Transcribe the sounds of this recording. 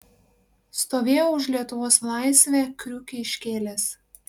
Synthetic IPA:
st̪oːʋʲeːjoːʊʃlʲiɛt̪ʊʋoːslˠɑˑɪsʲʋʲɛːˑkɾʲʊːkʲɪɪʃʲkʲeːlʲeːs

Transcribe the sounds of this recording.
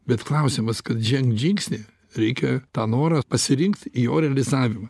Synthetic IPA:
bʲɛt̪klˠɐʊsʲɪmɐskɐt̪ʒʲɛŋkʒʲɪŋksʲnʲeː | ɾʲɛɪkʲɛt̪ɑːnoːɾɐpɐsʲɪɾʲɪŋkt̪ijoːɾʲɛɐlʲɪzɑːʋʲɪmɐ

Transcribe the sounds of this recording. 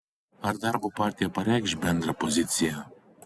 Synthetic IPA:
aɾd̪aɾvɔpaɾt̪ijapaɾɛkʒbɛnd̪ɾapɔzit̪sija

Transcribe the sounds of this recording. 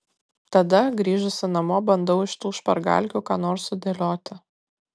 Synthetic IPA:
t̪ɐd̪ɐɡɾʲiːʒʊsʲɪnɐmoːbɐnd̪ɐʊɪʃt̪uːʃpɐ̰ɾɡɑ̰lʲkʲuːkɑːnoːɾsʊd̪ʲeːlʲoːt̪ʲɪ

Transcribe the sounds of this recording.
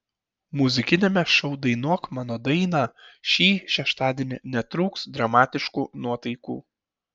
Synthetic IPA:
mʊzʲɪkʲɪnʲemʲɛʃɒʊd̪ɐɪnuɔkmɑːnoːd̪ɐɪnɑːʃʲiːʃʲɛʃt̪ɑːd̪ʲiɛnʲɪnʲɛt̪ɾuːksd̪ɾɐmɑːt̪ʲɪʃkuːnuɔt̪ɐɪkṵː

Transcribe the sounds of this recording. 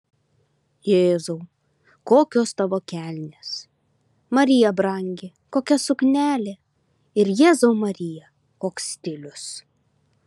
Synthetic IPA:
jeːzuʊ | koːkʲoːst̪ɐʋoːkʲæˑlʲnʲeːs | mɐɾʲɪjɛbɾɐŋʲɡʲɪ | koːkʲɛsʊknʲæːlʲe | ɪɾjeːzɐʊmɐɾʲɪjɛ | koːksʲt̪ʲɪlʲʊs

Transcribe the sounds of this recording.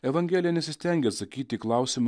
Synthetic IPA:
ɛʋɐŋʲɡʲɛːlʲɪjɛnʲɛsʲɪsʲt̪ʲɛŋʲɡʲɛɐt̪sɐkʲiːt̪ʲɪːklˠɐˑʊsʲɪm

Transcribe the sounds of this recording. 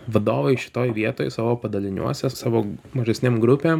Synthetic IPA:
ʋɐd̪oːʋɐɪʃʲɪ̥t̪oːjʋʲiɛt̪oːjsɑːʋoːpɐd̪ɐlʲɪnʲṵɔsʲɛsɑːʋoːmɐʒʲɛsʲnʲeːmɡɾʊpʲeːm

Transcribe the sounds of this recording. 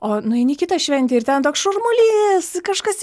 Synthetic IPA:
oːnʊɪnʲɪkʲɪt̪ɐʃʲʋʲɛnʲt̪ʲɪːɪrt̪ʲɛnt̪oːksʃʊrmʊlʲiskɐʃkɐs

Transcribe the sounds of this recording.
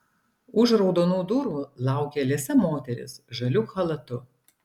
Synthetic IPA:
ʊʒɾɒʊd̪oːnuːd̪ʊɾulˠɑˑʊkʲeːlʲeːsʲɛmoːt̪ʲɛɾʲɪ̰sʒɐlʲuxɐlˠɐt̪ʊ

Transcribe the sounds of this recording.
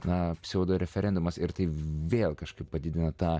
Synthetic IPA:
nɐpʲsʲɛoːd̪oːɾʲɛfʲɛɾʲɛnd̪ʊmɐsɪɾt̪ɐɪʋʲeːlˠkɐʃkɐɪppɐd̪ʲɪd̪ʲɪnɐt̪ɑː

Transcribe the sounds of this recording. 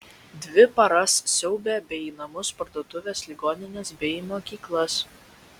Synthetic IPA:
d̪ʲʋʲɪpɐɾɐssʲɛʊbʲɛːbʲɛɪiːnɐmʊspɐɾt̪oːt̪ʊʋʲeːslʲɪɡoːnʲɪnʲeːsbʲɛmoːkʲiːklˠɐs

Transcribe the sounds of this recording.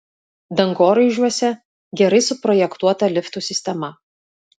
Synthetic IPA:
d̪ɐŋɡoːɾɐɪʒʲuɔsʲɛ | ɡʲɛɾɐɪsʊpɾɔjɛkt̪uɔt̪ɐlʲɪft̪uːsʲɪsʲt̪ʲɛmɐ

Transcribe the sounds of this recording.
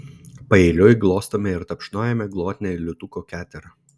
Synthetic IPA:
pɐeːlʲʊjɡlˠoːst̪oːmʲɛɪɾt̪ɐpʲʃnoːjɛmʲɛɡlˠoːt̪ʲnʲɛɪlʲʊt̪ukoːkʲæːt̪ʲɛɾɐ

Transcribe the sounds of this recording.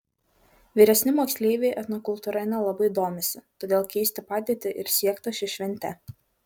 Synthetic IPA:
ʋʲiːɾʲɛsʲnʲɪmoːksʲlʲeːʋʲeɪʔɐt̪nɔkʊlˠt̪uːɾɐɪnʲɛlˠɐbɐɪd̪oːmʲɪsʲɪt̪oːd̪ʲeːlˠkʲɛɪsʲt̪ʲɪpɑːd̪ʲeːt̪ʲɪʔɪɾsʲiɛkt̪oʃʲɪʃʲʋʲɛnʲt̪ʲɛ

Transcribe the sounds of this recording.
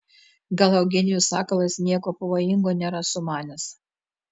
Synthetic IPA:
ɡɐlˠɐʊɡʲɪnʲɪjuːsɑːkɐlˠɐsnʲiɛkoːpɐʋoːjɪŋɡoːnʲeːɾɐsʊmɑːnʲɛs

